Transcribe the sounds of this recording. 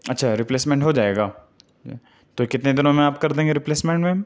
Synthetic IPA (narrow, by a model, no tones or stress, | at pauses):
ɐtːʃʰaːɾɪpleːsmɛ̃ɳʈɦod͡ʒaːeːɡaː | t̪okɪt̪ned̪ɪnõmẽaːpkɐɾd̪ẽːŋɡeɾɪpleːsmẽɳʈmẽ